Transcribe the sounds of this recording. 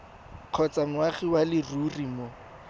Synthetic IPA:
q͡χʰɔt͡saŋwaχiwalɪrurimo

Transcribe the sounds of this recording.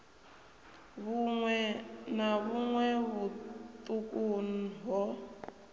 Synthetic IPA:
βŋwɛnaβuŋwɛβut̪ʼukʼun̩ɦɔ

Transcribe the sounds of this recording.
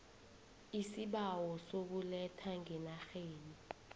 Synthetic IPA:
isiɓawɔsok̬ulɛtʰaŋɛnaxeːni

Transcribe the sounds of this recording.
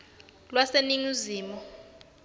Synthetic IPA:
lwaseniŋuziːmɔ

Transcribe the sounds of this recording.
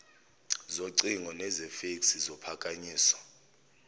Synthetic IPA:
zoǀiŋɔnɛzɛfeksizɔpʰakʼaɲiːswɔ̥

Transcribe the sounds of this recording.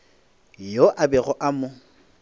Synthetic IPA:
joʔabɛɣɔʔamʊ

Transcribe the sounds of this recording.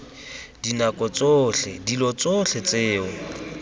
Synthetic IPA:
dinakʼɔt͡sʼoɬɛdilɔt͡sʼoɬɛt͡seːʊ

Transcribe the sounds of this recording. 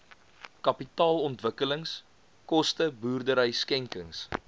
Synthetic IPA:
kɐpitɑːlɔntvəkələŋs | kɔstəbuːrdəɾəjskɛŋkəŋs

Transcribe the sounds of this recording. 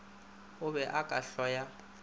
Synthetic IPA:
ʊbɛʔakʼaɬɔja

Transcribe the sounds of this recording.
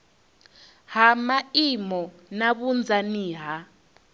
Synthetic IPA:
ɦamaimɔ | naβund͡zʱaniːɦa

